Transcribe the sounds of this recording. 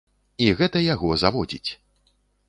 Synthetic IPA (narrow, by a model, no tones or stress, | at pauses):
iɣɛt̪ɐjaɣɔzavɔd͡zʲit͡sʲ